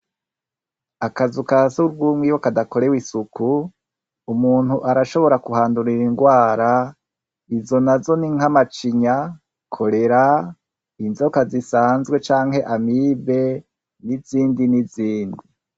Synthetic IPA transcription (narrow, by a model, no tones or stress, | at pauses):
akazukasuɾɡuːmwiwokadako̞ɾe̞wisukuː | muːn̥huʔaɾaʃo̞βo̞ɾakuɦaːnduɾiɾiŋɡwaːɾa | izo̞nazo̞niŋ̥hamat͡ʃiɲa | kʰo̞ɾe̞ɾa | inzokazisaːnzɡwe̞t͡ʃaːŋhe̞ʔamibe̞ | niziːndiniziːndi